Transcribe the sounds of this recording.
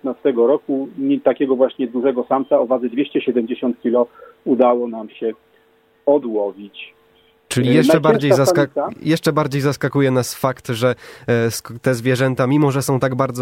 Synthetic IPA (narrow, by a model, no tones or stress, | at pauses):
t̪nast̪ɛɡɔɾɔkuɲt̪akʲɛɡɔvwaɕɲɛd̪uʐɛɡɔsamt̪saɔvad̪zɘd̪vʲjeɕt͡ɕɛɕɛd̪ɛmd͡ʑeɕɔnt̪̚kʲilɔud̪awɔnamɕɛ | ɔd̪wɔvʲit͡ɕ | t͡ʂɘlʲijɛʂɛbaɾd͡ʑejzaskaajɛʂt͡ʂɛbaɾd͡ʑejzaskakujɛnasfakt̪ʐɛst̪ɛzvʲjɛʐɛnt̪amʲimɔʐɛsɔ̃w̃t̪aɡbaɾd̪zɔ